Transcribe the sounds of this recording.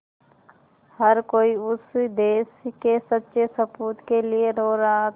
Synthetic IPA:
həɾkoːiʊsd̪eːskesətːʃesəpuːt̪kelieɾoːɾaɦa

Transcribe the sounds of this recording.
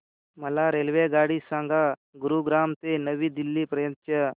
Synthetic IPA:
mɐlaɾeːlʋeɡaːɽisãŋɡaɡuɾuɡɾaːmt̪enəʋiːd̪ilːiːpɾɐjənt̪jɐ

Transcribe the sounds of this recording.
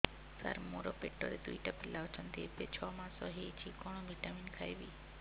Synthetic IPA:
sa̰ɾmoɾoːpeʈːo̰ːɾed̪uiʈapɪlːaɔt͡ʃʰənd̪ḛːɾpet͡ʃʰɔːmãsɔɦet͡ʃʰiːkɔɳ̃õbʱiʈamiːnkʰaːjʋiː

